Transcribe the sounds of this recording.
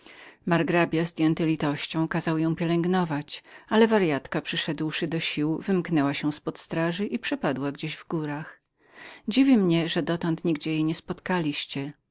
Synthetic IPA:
maɾɡɾabʲjazd̪ʲjɛnt̪ɘlʲit̪ɔɕt͡ɕɔ̃w̃kazawjɔ̃w̃pʲjɛlɛŋɡnɔvat͡ɕalɛvaɾjat̪kapʂɘʂɛd̪wʂɘd̪ɔɕiwvɘmknɛwaɕɛw̃spɔt̪st̪ɾaʐɨʔipʂɛpad̪waɡd͡ʑeʑvɡuɾax | d͡ʑivʲimɲɛʐɛd̪ɔt̪ɔnt̪ɲiɡd͡ʑɛjejɲɛspɔt̪kalʲiɕt͡ɕɛ

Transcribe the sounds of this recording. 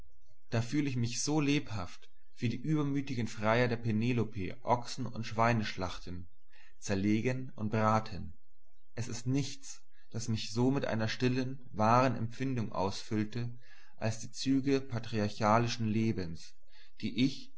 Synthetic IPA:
d̥aːfyːləɪç̬mɪçz̥oːleːphaft | v̥iːdiːʔyːbɐmyːtɪɡən̩fʁ̥aɪɐdeːɐpɛneːlopʰeːʔɔksn̩ʊ̰ntʃv̥aɪnəʃlaχtən̩ | t͡sɛɐleːɡən | ʊnt̚b̥ʁaːtʰən | ʔɛsɪstnɪçt͡s | d̥asmɪçz̥oːmɪtʔa̰ɪnɐʃtɪlən | vaːʁənɛ̰mp͡fɪndʊŋʔa̰ʊsfʏltə | ʔalsd̥iːt͡syːɡəpʰatʁ̥iaɐçaːlɪʃn̩leːbəns | d̥iːʔɪç

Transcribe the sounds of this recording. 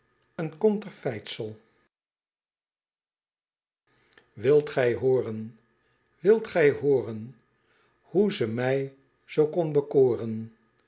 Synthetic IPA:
ənkɔntəɹfɛjtsəlˠ | ʋɪlˠtχɛjɦoːrən | ʋɪlˠtχɛjɦʊːrən | huzəmɛj | z̥owkɔnbəkoːrən

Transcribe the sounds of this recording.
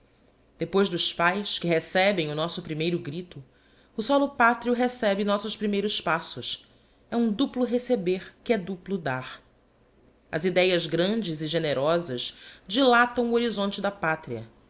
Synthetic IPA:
d̪epojzd̪ʊʃpajskɪɦesɛbẽj̃ʊnɔsʊpɾimejɾʊɡɾit̪ʊ | ʊsɔlʊpat̪ɾiʊɦesɛbɪnɔsʊʃpɾimejɾʊspasʊʃ | ɛũd̪uplʊɦesebeɾkɪɛd̪uplʊd̪aɾ | ɐ̰zid̪ɛjɐzɡɾɐ̃nd͡ʒɪzɪʒeneɾɔzɐʃd͡ʒilat̪ɐ̃w̃uoɾizõnt͡ʃɪd̪ɐpat̪ɾiɐ̰

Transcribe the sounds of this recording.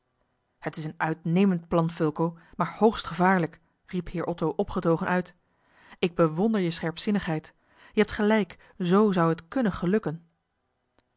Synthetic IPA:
hətɪsənœɥtnejməntplɑnfɵlˠkowmaːɹhowχstχəvaːɹlək | riphɪːɹʔɔtowʔɔpχətowχənʔœɥt | ɪɡ̚bəʋɔndəɹjəsχɛɹpsɪnəχɦɛjt | jəɦɛp̚tχəlɛjk | zowzɑwɦətkɵnəχəlɵkən

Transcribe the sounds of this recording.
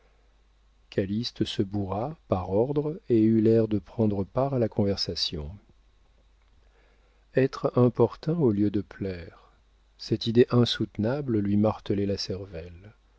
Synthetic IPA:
kʰalist̪əsəbuʁapaʁɔʁd̪ʁeylɛʁd̪əpχɑ̃d̪ʁəpaʁalakɔ̃vɛʁsasjɔ̰̃ | ɛt̪χɛ̃pɔʁt̪ɛ̃oljød̪əplɛʁ | sɛt̪id̪eʔɛ̃sut̪nabllɥimaʁt̪əlɛlasɛʁvɛl

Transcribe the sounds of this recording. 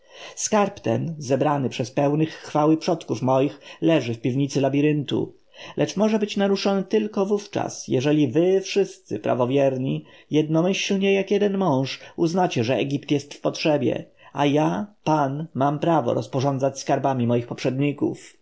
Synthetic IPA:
skaɾpt̪ɛnzɛbɾanɘpʂɛspɛwnɘxːfawɘpʂɔt̪kufmɔjixlɛʐɘfpʲivɲit̪sɘlabʲiɾɘnt̪ṵ | lʔɛt͡ʂmɔʐɛbɘt͡ɕnaɾuʂɔnɘt̪ɘlkɔvuft͡ʂa̰sjɛʐɛlʲivɘfʂɘst̪sɘpɾa̰vɔvʲjɛɾɲijɛd̪̚nɔmɘɕlɲɛjakjɛd̪ɛnmɔ̃w̃ʂuznat͡ɕɛʐɛɛɡʲipt̪jɛst̪fpɔtʂɛbʲjɛ̰ | ajapanmampɾavɔ̰ɾɔspɔʐɔnd̪zat͡ɕskaɾbamʲimɔjixpɔpʂɛd̪̚ɲikṵf

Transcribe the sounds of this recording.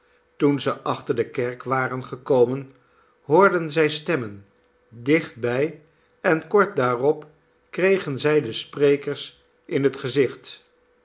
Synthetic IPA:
tunzəʔɑχtəɹdəkɛɹkʋaːrənχəkowmən | ɦʊːɹdənzɛjstɛmən | dɪχt̚bɛj | ɛnkɔɹt̚daːrɔp | krejχənzɛjdəsprejkəɹs | ʔɪnɦətχəzɪχt

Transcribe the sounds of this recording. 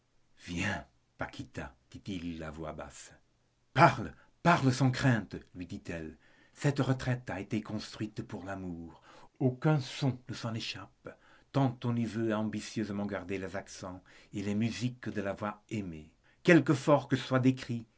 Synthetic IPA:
vjɛ̃ | pakʰʲit̪ad̪̥it̪ilːavwa̰ba̰s | paʁl | paʁləsɑ̃kχɛ̃t̪lɥid̪it̪ɛl | sɛt̪ʁət̪χɛt̪aet̪ekɔ̃st̪χwɥit̪puʁlamuːʁokɛ̃sɔ̃nəsɑ̃neʃapt̪ɑ̃t̪ɔ̃nivøaɑ̃bisjøzəmɑ̃ɡaʁd̪elezaksɑ̃ | elemyzikd̪əlavwaʁeme | kɛlkəfɔʁkəswad̪ekχi

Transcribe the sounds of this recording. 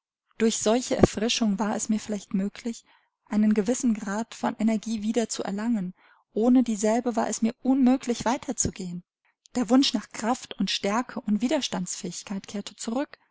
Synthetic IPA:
d̥ʊɐçz̥ɔlçəʔɛ̰ɐfʁ̥ɪʃʊŋvaːɐɛsmiːɐfɪlaɪçtmøːkʰlɪç | ʔaɪnənɡəvɪsn̩ɡʁaːtfɔnʔɛnɛɐɡiːviːdɐt͡suɛ̰ɐlaŋən | ʔoːnədiːzɛlbəvaːɐɛsmiːɐʔʊnmøːklɪçv̥aɪtʰɐt͡suɡeːən | d̥eːɐvʊnʃnaːχkʁ̥aftʊntʃtɛɐkʰəʔʊntv̥iːdɐʃtant͡sfɛːɪçkʰaɪtkʰeːɐtʰə̥t͡suʁʏk

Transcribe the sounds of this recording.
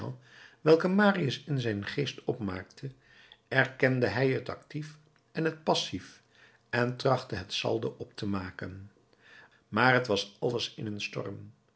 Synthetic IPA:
ʋɛlˠkəmaːriəsɪnzɛjnχejstɔpma̰ːktʰə | ɛrkɛndəɦɛjɦətɑ̰ktif | ʔɛnɦət̚pɑsif | ɛntrɑχtəɦətsɑ̰lˠdə̰ʔɔptʰəmaːkə̰n | maːɹɦətʋɑsɑləsɪnɦənstɔ̰rm

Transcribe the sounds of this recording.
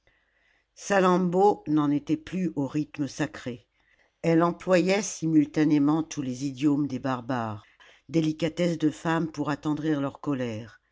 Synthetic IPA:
salɑ̃bonɑ̃net̪ɛplyʔoʁit̪məsakχe | ɛlɑ̃plwajɛsimylt̪anemɑ̃t̪ʰulezid̪jomd̪ebaʁbaːʁ | d̪elikat̪ɛsd̪əfampuʁat̪ɑ̃d̪ʁiʁlœʁkɔlɛːʁ

